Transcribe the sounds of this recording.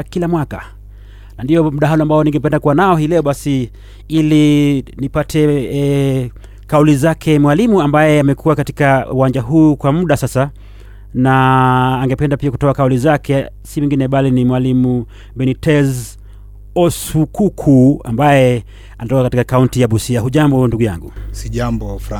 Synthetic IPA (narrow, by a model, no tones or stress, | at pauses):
kilamwaka | nandiɔmuɗaɦalɔambaɔniŋɡɛpɛndakuwanaɔhilɛɔɓasi | ilinipatʰɛ | kaulizakʰɛmwalimuambajɛamɛkʰuwakati̥kauwand͡ʒaɦuːkwamuɗasasa | naːŋɡɛpɛndapiaku̥tɔakaulizakʰɛsiwiŋɡinɛɓalinimwalimu | ɓɛnitʰɛz | ɔsukukʰua̰mbajɛ | anatɔkakatikakauntijaɓusiahuʄambɔnduɡuja̰ŋɡusiʄambɔfɾa